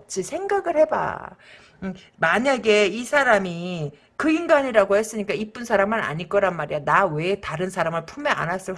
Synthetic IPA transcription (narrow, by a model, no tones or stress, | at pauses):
t͡ɕ͈ʰisʰe̞ŋɡaɡɯɭhe̞ba̰ | maɲaɡe̞isʰaɾami | kɯiŋɡaɲiɾaɡohe̞s͈ɯɲik͈aip͈unsʰaɾamːana̰ɲiɭk͈ʌɾanmaɾijanawe̞taɾɯnsʰaɾamɯɭpʰumea̰nas͈ɯ